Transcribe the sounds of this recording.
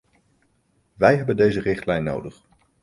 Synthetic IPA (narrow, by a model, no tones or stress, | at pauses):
ʋɛjɦɛbəndejzərɪχtlɛjnːo̰wdəχ